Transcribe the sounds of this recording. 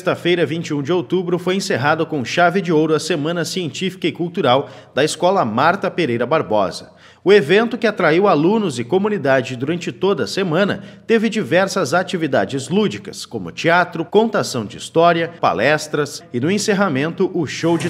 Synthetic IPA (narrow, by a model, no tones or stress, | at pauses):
st̪ɐfejɾɐvĩnt͡ʃɪũd͡ʒɪowt̪ubɾʊfojẽseɦad̪ʊkõʃavɪd͡ʒɪowɾʊɐsemɐ̃nɐsiẽnt͡ʃifi̥kɐɪkuwt̪uɾawd̪ɐiskɔlɐmaɾt̪ɐpeɾejɾɐbaɾbɔ̰zɐ | ʊevẽnt̪ʊkɪat̪ɾaiwalũnʊzɪkomunid̪ad͡ʒɪd̪uɾɐ̃nt͡ʃɪt̪od̪ɐɐsemɐ̃nɐ̰t̪evɪd͡ʒivɛɾsɐzat͡ʃivid̪a̰d͡ʒɪzlud͡ʒikɐskõmʊ̰t͡ʃiat̪ɾʊkõnt̪asɐ̃w̃d͡ʒɪist̪ɔɾiɐpa̰lɛst̪ɾɐsɪnʊẽseɦamẽnt̪ʊʔʊʃowd͡ʒɪ